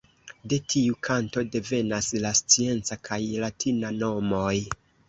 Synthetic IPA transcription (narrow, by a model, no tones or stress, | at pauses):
de̞tʰiukʰanto̞de̞ve̞naslast͡sie̞nt͡sakʰajlatʰinano̞mo̞j